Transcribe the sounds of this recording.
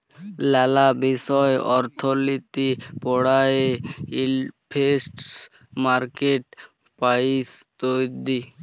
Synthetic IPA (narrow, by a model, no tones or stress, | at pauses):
lɛlabiʃɔjeʔɔɾt̪ʰolit̪ipɔɽajeipʰesʈs | maɾkeʈ | paist̪ojd̪i